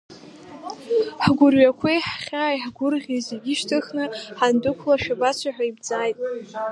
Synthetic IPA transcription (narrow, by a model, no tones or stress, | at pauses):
ħɡʷʊrɥakʷʰeħχʲaːjħɡʷʊrʁʲizeɡʲiʃtʰɨχnɨħandɨkʷʰlaʃᶣabat͡ɕʷʰaħᶣajbd͡zaːjtʼ